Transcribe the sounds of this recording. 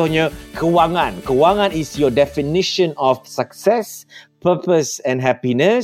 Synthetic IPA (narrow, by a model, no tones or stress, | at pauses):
ʊhɲəkʰəwaŋãnkəwaŋãnisjɔdɛfiniʃə̃nɔfsaksɛspəpəsɛ̃nɦɛpinə